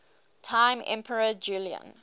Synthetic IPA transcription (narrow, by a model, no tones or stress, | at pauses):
tʰãɪ̃mɛ̰̃mpʰəɹəd͡ʒuːliə̰̃n